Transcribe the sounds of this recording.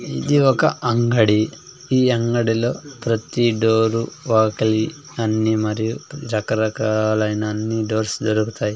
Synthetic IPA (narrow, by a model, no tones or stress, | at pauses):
id̪iɔkɐʔɐŋɡɐɽi | iːɐŋɡɐɽilo̞ːpɾɐt̪iɖoːɾuʋaːkɐli | ɐnːimɐɾijuɾɐkɐɾɐkaːlɐjnɐːnːiɖo̞ːɾsd̪oɾukut̪aːji